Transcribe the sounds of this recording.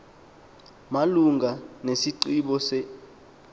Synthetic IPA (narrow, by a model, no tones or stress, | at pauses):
maluŋʱanesiǀiɓɔsɛ